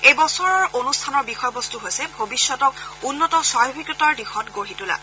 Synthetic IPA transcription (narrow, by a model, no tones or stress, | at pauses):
ejbɔsɔɹɔɹʔonustʰanɔɹbixɔjɔbɔstuɦojsɛbʱobisːɔtɔkunːɔtɔsajɔbʱikɹɔtaɹdixɔtɡoɹitula̰